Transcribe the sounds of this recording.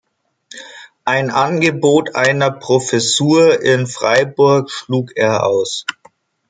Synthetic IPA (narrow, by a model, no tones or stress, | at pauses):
ʔaɪnʔanɡəboːtʔaɪnɐpʁ̥ofɛsuːɐʔɪnfʁ̥aɪbʊɐkʃluːkeːɐʔa̰ʊs